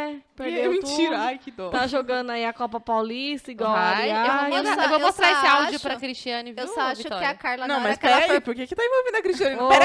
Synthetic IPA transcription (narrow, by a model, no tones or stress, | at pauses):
ɛɛpeɾemĩt̪t͡ʃiɾajkɪd̪ot̪aʒoɡɐ̃nd̪ʊaiɐkɔpɐpawlist̪ɐiɡɔwaiaewṽoaewvowmost̪ɾaesɪawd͡ʒiʊpɾɐkɾist͡ʃiɐ̃nɪvewsɔaʃviʊt̪kɔɪɐkaɾlnɐ̃w̃mɐspɛɾaipoɾkekɪt̪aẽvowvẽnd̪ɐkɾiʃt͡ʃiɐ̃niopɛɾ